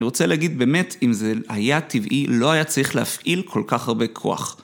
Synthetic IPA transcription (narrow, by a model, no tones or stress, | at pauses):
iʁo̞t͡seleaɡid̪̚be̞ːme̞timzehajativʔilo̞ajat͡saʁiχleafʔilkʰo̞lkaχhaʁbe̞kʰo̞̰a̰χ